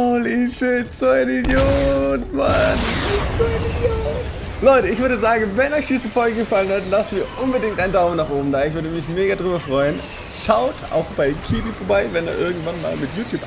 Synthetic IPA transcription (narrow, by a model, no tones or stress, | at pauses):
oliʃɪtz̥oɛnɡjotmanzoɛnɪdjoː | lɔʏtəɪçv̥ʏɐdəzaːɡŋ̩vɛnɔçd̥iːzəfɔʏɡəɡəfalənhatlasn̩viːɐʔʊnbədɪŋktʔaɪndaʊmənaːχʔoːbm̩daːɐɪçv̥ʏɐdəmɪçmeːɡɐdʁyːbɐfʁ̥ɔʏən | ʃaʊtʰʔa̰ʊxb̥aɪkʰiːbifoɐbaɪvɛnḛːɐʔɪɐɡŋ̩tv̥anma̰ːlmɪtjuːtʰjuːp